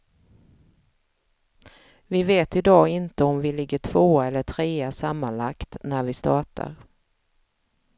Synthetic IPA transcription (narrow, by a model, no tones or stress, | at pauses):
vɪveːt̪ɪd̪ɑːɪnt̪əɔmvɪlɪɡːəʈʰv̥oːɛlːəʈʰɾeːæʂamːanlakt̪næɾvɪst̪ɑːʈa̰ɾ